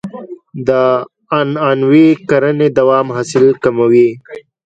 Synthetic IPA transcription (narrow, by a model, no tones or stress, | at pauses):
d̪ə | ananwikaɾəned̪awɑmɦɑsɪlkamawi